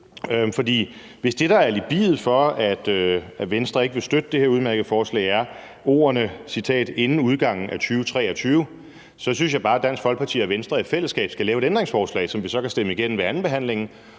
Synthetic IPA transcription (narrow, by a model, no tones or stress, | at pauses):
fɒ̽d̥ḭː | ʋe̝sd̥e̝ɾ̥ɑ̈æɐlib̥ḭːð̩ˠfɒ̽æd̥øæʋensd̥ʁɐe̝ɡ̥əʋe̝sd̥ød̥əd̥e̝he̝ɐuð̞ˠmæɐɡ̥əð̩ˠfɒːslɛ̰ɪæɐ | o̝̰ːɐnəsit͡sʰɛ̰ːd̥e̝nn̩uð̞ˠɡ̥ɑ̈ŋ̰n̩æt͡sʰyːʊt͡sʰʁɛ̰ːɒt͡sʰyːʊ | sɒ̽synsɕjɑ̈ɪb̥ɑ̈ːæd̥æn̰sɡ̥fɒ̽lɡ̥̚pʰɑ̈t͡sʰḭːɒʋensd̥ʁɐe̥fel̰əsɡ̥ɛ̰ːb̥sɡ̥ælɛːʊe̥end̥ʁeŋsfɒːslɛ̰ːɪsɒ̽mʋisɒ̽kʰæsd̥eməiɡ̥en̰n̩ʋeænn̩b̥e̝ɦæn̰le̝ŋn̩